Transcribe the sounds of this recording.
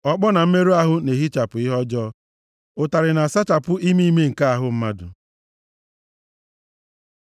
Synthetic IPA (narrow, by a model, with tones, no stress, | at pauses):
ɔ˦k͡pɔ˦na˨m̩˦me˦ɾu˦a˦ɦʊ˦ne˨ɦi˦t͡ʃa˨pʊ˨i˦ɦɔ˦d͡ʒɔː˦ | ʊ˨ta˨ɾɪ˨na˨sa˦t͡ʃa˨pʊ˦ʔi˦mi˦me˦ŋ̩˨ka˦a˨ɦʊ˦m̩˦ma˦dʊ̰˨